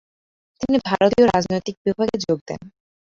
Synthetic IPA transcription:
t̪inibʱaɾot̪ioɾad͡ʑnojt̪ik̚bibʱaɡed͡ʑoɡ̚d̪ɛ̰n

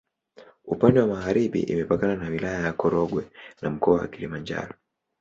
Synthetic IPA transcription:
upandɛwamaɣaɾiɓḭʔḭmɛpakananawilajajakɔɾɔɡwɛnam̩kɔawa̰kilimand͡ʒa̰ɾɔ

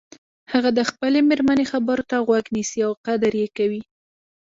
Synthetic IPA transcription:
haɣad̪əxpəlemeɾmanexabəɾot̪aɣwaɡnisiawqad̪əɾjekawi

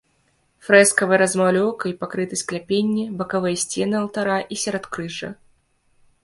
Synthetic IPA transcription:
fɾɛskɐvɨjɐɾɐzmalʲɔwkɐipakɾɨt̪ɐsʲklʲapʲenʲːibɐkavɨjɐsʲt͡sʲenɨɐlˠt̪aɾaʔisʲɛɾɔt̪kɾɨʐɐ̰

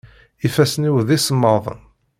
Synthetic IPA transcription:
ifæsniwðisəmːəðˤə̰n

